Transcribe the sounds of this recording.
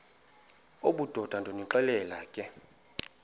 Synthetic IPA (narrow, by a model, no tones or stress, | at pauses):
oɓud̥ʱɔd̥ʱandʱoniǁɛlɛlaːkʼɛ